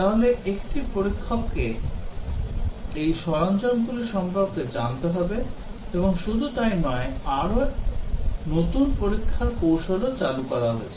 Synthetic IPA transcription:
t̪aɦoleekʈipoɾikʰːopke | ejʃɔɾant͡ɕonkuliʃɔŋbʱopked͡ʑant̪eɦɔbe | eboŋʃud̪ʱut̪ajnɔeaɾo | not̪unpoɾikʰːaɾkowʃolot͡ɕalukɔɾaɦo̰et͡ɕʰe

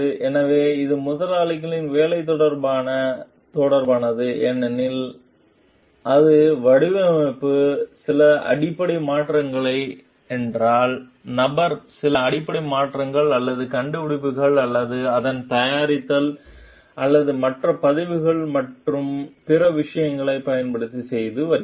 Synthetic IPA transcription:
ɯʔɛnɐʋeːɪðɯmʊðɐlaːlɪɣɐɭɪnʋeːlɐɪt̪̬ːɔɽɐɾbaːnɐ | t̪oɽɐɾbaːnɐðɯʔɛnːɐnɪl | ʔɐðɯʋɐɽɯʋɐmɐɪpːɯsɪlɐʔɐ̰ɽɪpːɐɽɪmaːʈrɐŋɡɐɭɐɪ | ɛndraːl | nɐbɐɾsɪlɐːɽɪpːɐɽɪmaːʈrɐŋɡɐɭɐlːɐðɯkɐɳɖɯʊɽɪpːɯɣɐɭɐlːɐðɯɐðɐnt̪ɐjaːɾɪt̪ːɐl | ʔɐlːɐðɯmɐʈrɐpɐðɪʋɯɣɐɭmɐʈrɯmpɪrɐʋɪʂɐjɐŋɡɐɭɐɪpɐjɐnpɐɽɯt̪ːisɛjðɯʋɐɾɪ

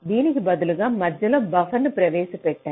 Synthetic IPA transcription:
ʋiːnɪkːɯbɐðɯlɯɣaːmɐd͡ʒɐlɐ̃bɐfɐnːɯpɾɐʋeːsɐpːɛʈːɛ̃

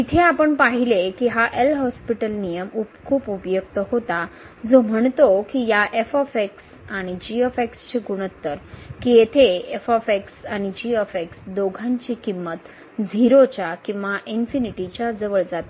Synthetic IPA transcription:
it̪ʰeapəɳpaɦilekiɦaʔelɦɔspiʈəlnijəmupkʰuːpupjək̚t̪əhot̪a | d͡zom̤əɳt̪okijaʔefɔfeks | aɽ̃id͡ʑiofekst͡ɕiɡuɽ̃ət̪ːəɾkijet̪ʰeefɔfeksaɽ̃id͡ʑiofeksd̪oɡʱãɲt͡ɕikimːət̪ | d͡zʱiɾot͡ɕjakĩw̃ʋaʔinfiniʈit͡ɕjad͡zəʋəɭd͡zat̪a

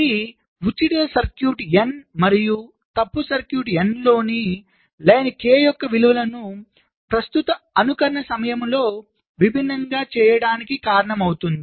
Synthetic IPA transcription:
i | ʋut͡ʃːiʈɐsɐɾkjuːʈenmɐɾiju | t̪ɐpːusɐɾkjuːʈenlo̞ːni | lɐjnɐkeːjɔkːɐʋiluʋɐlɐnu | pɾɐst̪ut̪ɐɐnukɐɾɐɳɐsɐmɐjɐmlo̞ː | ʋibʱinːɐŋɡaːt͡ʃɛːjɐɽaːnikikaːɾɐɳɐmɐwt̪und̪i

